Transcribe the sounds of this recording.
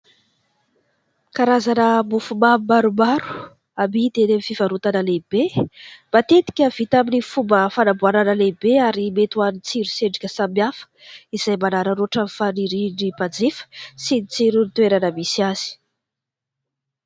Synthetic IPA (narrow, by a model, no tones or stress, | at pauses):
kaɾazanəmufumamaɾumaɾu̥ | amid̪enemifivaɾut̪anəleb̥eb̥at̪et̪i̥kʲəv̥it̪aminifumbəfanabuananəlebeaɾimet̪uanit͡siɾuseɖ͡ʐi̥kʲəsamjafə̥iz̥ajmanaɾəɾoʈ͡ʂamfaniɾinibad͡zifə̥sinit͡siɾunit̪ueɾanəmisiaz̥i̥